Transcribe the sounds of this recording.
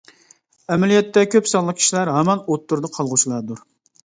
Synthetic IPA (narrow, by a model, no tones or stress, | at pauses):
ɛmɛlijɛt̪ːɛkʲʰøpsɑlˠːəq̚kʲʰi̥ʃilæɾɦɛmɑnot̪ːuɾd̪ɑqʰɑlˠʁʊt͡ʃʰilˠɑɾd̪uɾ